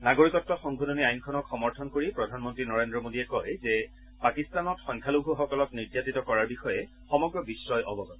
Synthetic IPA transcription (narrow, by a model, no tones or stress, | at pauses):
naɡoɹikɔtːɔxɔŋɡʱudɔniajnkʰɔnɔkxɔmɔɹtʰɔnkoɹipɹɔdʱanmɔntɹinɔɹendɹɔmodiɛkɔjzɛ | pakistanɔtxɔŋkʰalubʱuxɔkɔlɔkniɹdjatitɔkɔɹaɹbixɔjɛ | xɔmɔɡɹɔbisɹɔjʔɔbɔɡɔt